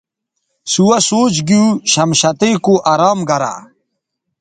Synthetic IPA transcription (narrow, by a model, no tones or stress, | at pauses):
suwɐsoːt͡ɕɡiuɕɐmɕɐt̪ekuʔɐɾaːmɡɐɾa̰